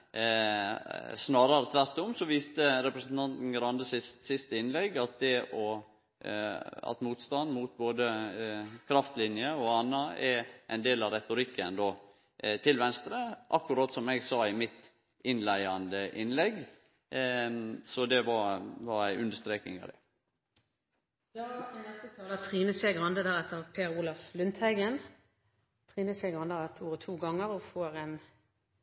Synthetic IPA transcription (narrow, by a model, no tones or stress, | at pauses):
snɑːɾɑɾət̪ʰʋæɾt̪ːʊmsɔʋiːst̪əɾɛpɾəsnt̪ʰɑnt̪n̩ɡɾɑnd̪əsɪst̪sɪst̪əɪnlɛɡɑt̪̚d̪ɛʔɔ | ɑ̰t̪muːt̪st̪ɑnd̪muːt̪̚boːd̪ə | kʰɾɑft̪lɪnjəɔɑnːɑɛɾʔæ̰ɪnd̪eːlɑɾɛt̪ʊɾɪkʰːənd̪oː | t̪ʰɪlʋɛnst̪ɾəʔɑkːʉɾɑːt̪sɔmɛɡsɑːɪmɪt̪ | ɪnlæɪɑnd̪əʔɪnlɛɡ | sɔd̪ɛʋɑɾʋɑɾæɪʔʉnd̪əʂt̪ɾeːknɪ̰ŋɑ̰ʋd̪ɛ | jɑːnɛst̪ət̪ʰɑːlæt̪ʰʁiːnəseːɡʁɑnd̪əd̪æɾɛt̪ːəpʰeːɾuːlɑflʉnt̪hæɪɡən | t̪ʰʁiːnəseɡʁɑnd̪əʁɛt̪ʰoːʁət̪ʰuːɡɑŋəɾɔfoːɾɛn